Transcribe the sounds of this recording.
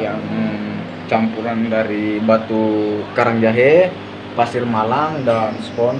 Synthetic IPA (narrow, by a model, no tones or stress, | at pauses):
jaŋ | t͡ʃampuɾandaɾibat̪ukaɾaŋd͡ʒaɦɛ | pasirmalaŋdanspɔn